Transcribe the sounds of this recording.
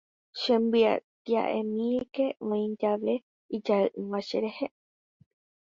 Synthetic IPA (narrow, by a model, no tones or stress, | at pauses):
ʃẽmbɨa̰t̪ia̰ʔẽmĩeke̞ʔõĩd͡ʒaʋe | id͡ʒaɨʔɨ̃ʋãʃeɾehe